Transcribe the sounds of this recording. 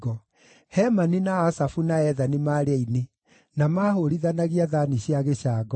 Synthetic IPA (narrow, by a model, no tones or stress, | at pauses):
ɣɔ | hɛmaninaːsafunaɛðanimaɾeine | namaːɦoɾiðanaɣiaðaniɕiaɣeɕaːɡɔ